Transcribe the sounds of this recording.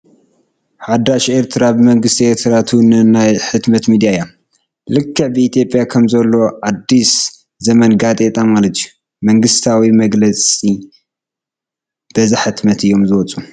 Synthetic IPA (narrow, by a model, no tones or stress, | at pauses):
ħad̪aʃe̞ɾt̪ʰɨɾabɨmɐŋɡɨst̪ʰieɾt̪ʰɨɾat̪ʰunɨnajħɨt̪mɐt̪mid̪ijajam | lɨkʰːɨʕbɨit̪jo̞pʼjakʰɐmzɐlːo̞ʕad̪ːis | zɐmɐnɡat̪ʼet̪ʼamalɐt̪iju | mɐŋɡɨst̪ʰawimɐɡlɐt͡sʼi | b̥ɐzɨħɨt̪mɐt̪ɨjːo̞mzɨwɔt͡sʼu